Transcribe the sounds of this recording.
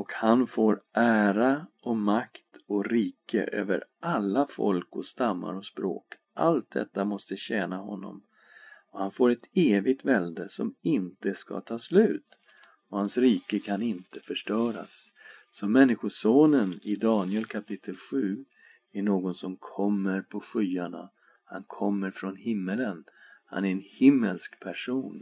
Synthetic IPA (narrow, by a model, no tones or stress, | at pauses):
ɔkhanfoːɾʔæːɾaʔɔmakt̪ɔkɾiːkə̰ʔø̰ːvə̰ɾʔalːafɔ̰lkɔst̪amːa̰ɾɔspɾo̰ːk | ʔa̰lt̪̚d̪ɛ̰t̪ːamɔst̪əɕɛːnaɦɔ̰nːɔ̰m | ɔhanfoːɾɛt̪eːvɪɡ̚t̪vɛld̪əsɔmɪnt̪əska̰t̪ʰɑːslʉ̟ːt̪ | ɔhansɾiːkəkʰanɪnt̪əfœʂʈœːɾa̰sː | ɔmɛnːɪɧʊʂoːnənɪd̪ɑːnɪəlkʰapʰɪt̪ʰːəlɧʉ̟ː | æɳoːɡɔnsɔmkʰɔmːəɾpʰɔɧyːaɳa̰ | ha̰nkʰɔmːəɾfɾɔnhɪmːələnha̰næɾɛnhɪmːə̰lskpʰæʂuːn